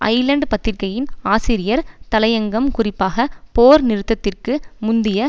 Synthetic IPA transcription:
ʔɐ̰ɪlɐɳɖpɐt̪ːɪrkɐjɪnaːsɪɾɪjɐɾt̪ɐlɐjɐŋɡɐmkʊrɪpːaːɣɐpoːɾnɪɾɯt̪ːɐt̪ːɪrkɯmʊnd̪ɪjɐ

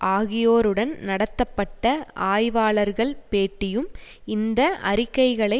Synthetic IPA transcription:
ʔaːɣɪjoːɾɯɽɐnnɐɽɐt̪ːɐpːɐʈːɐʔaːjʋaːɭɐɾɣɐɭpeːʈːɪjɯmɪnd̪ɐʔɐ̰ɾɪkːɐɪɣɐɭɐɪ

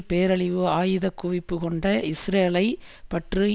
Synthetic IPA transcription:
peːɾɐɭɪʋɯaːjɯðɐkːʊʋɪpːɯkɔɳɖɐɪsɾeːlɐɪ | pɐʈrɯ

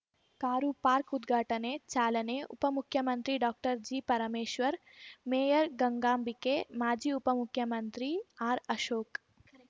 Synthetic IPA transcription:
kaːɾupaːɾkud̪ɡʱaːʈɐnet͡ʃaːlɐneʔṵpɐmukʰjɐmɐnt̪ɾiɖɔːk̚ʈəɾd͡ʒiːpɐɾɐmeːʃʋɐɾ | meːjəɾɡɐŋɡaːmbikemaːd͡ʒiːupɐmʊkʰːjɐmɐnt̪ɾiaːɾɐʃoːk

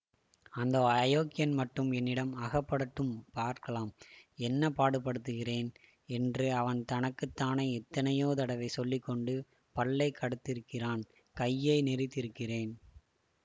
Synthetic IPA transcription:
ɐnd̪ɐɐjoːkɪjɐnmɐʈːɯmɛnːɪɽɐmɐɣɐpːɐɽɯʈːɯmpaːɾkɐlaːmɛnːɐpaːɽɯpːɐɽɯt̪ːɯɣɪreːn | ɛndrɯɐʋɐnt̪ɐnɐkːɯt̪ːaːnɐɪɛt̪ːɐnɐjoːt̪ɐɽɐʋɐɪsɔlːɪkːɔɳɖɯ | pɐɭːɐɪkːɐɽɯt̪ːɪɾɯkːɪraːn | kɐjːeːnɛɾɪt̪ːɪɾɯkːɪreːn

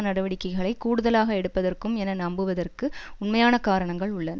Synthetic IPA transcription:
nɐɽɐʋɐɽɪkːɐɪɣɐɭɐɪkːuːɽɯðɐlaːɣɐɛɽɯpːɐðɐrkɯmɛnɐnɐmbɯʋɐðɐrkɯʊɳmɐjaːnɐkaːɾɐɳɐŋɡɐɭʊɭːɐn

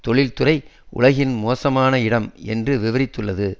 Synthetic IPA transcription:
t̪ɔɭɪlt̪ʊrɐɪ | ʔʊ̰ɭɐɣɪnmoːsɐmaːnɐɪɽɐmɛ̰ndrɯʋɪʋɐɾɪt̪ːɯɭːɐðɯ

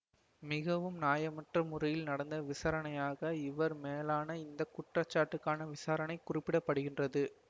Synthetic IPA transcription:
mɪɣɐʋɯmnaːjɐmɐʈrɐmʊrɐjɪlnɐɽɐnd̪ɐʋɪsaːɾɐnɐjaːɣɐɪʋɐɾmeːlaːnɐɪnd̪ɐkʊʈrɐt͡ʃːaːʈːɯkːaːnɐʋɪsaːɾɐnɐɪkʊrɪpːɪɽɐpːɐɽɯɣɪndrɐðɯ

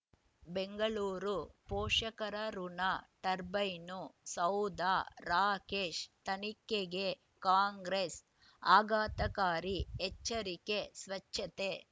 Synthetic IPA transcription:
beŋɡɐɭuːɾupoːʂɐkɐɾɐɾunat̪ɐɾbɐjnusɐwd̪aːɾaːkeːʃt̪ɐnikːeɡe | kaːŋɡɾes | aːɡaːt̪ɐkaːɾiɛt͡ʃːɐɾikesʋɐt͡ʃʰːɐt̪e

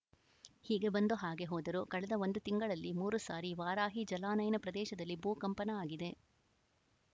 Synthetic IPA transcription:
hiːɡe̞bɐnd̪oɦaːɡe̞ɦɔːd̪ɐɾukɐɭɛd̪ɐo̞nd̪ut̪iŋɡɐɭɐlːimuːɾusaːɾiʋaːɾaːɦid͡ʒɐlaːnɐjnɐpɾɐd̪ɛːʃɐd̪ɐlːibuːkɐmpɐnɐaːɡid̪e̞

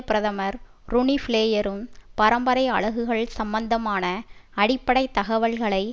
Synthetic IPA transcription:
pɪɾɐðɐmɐɾ | ɾʊɳifɪleːjɐɾɯmpɐɾɐmbɐɾɐɪɐ̰ɭɐɣɯɣɐɭsɐmbɐnd̪ɐmaːnɐɐɽɪpːɐɽɐɪt̪ːɐɣɐʋɐɭɣɐɭɐɪ

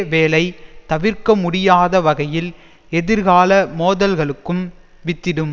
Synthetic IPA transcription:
ʋeːlɐɪt̪ɐʋɪɾkɐmʊɽɪjaːðɐʋɐɣɐjɪl | ɛðɪɾɣaːlɐmoːðɐlɣɐɭɯkːɯm | ʋɪt̪ːɪɽɯm

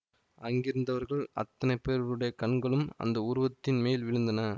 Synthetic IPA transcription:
ɐŋɡɪɾɯnd̪ɐʋɐɾɣɐɭɐ̰t̪ːɐnɐɪpːeːɾɐɭɯɽɐjɐkɐɳɡɐɭɯmɐ̰nd̪ɐʊɾʊʋɐt̪ːɪnmeːlʋɪɻɯnd̪ɐnɐ

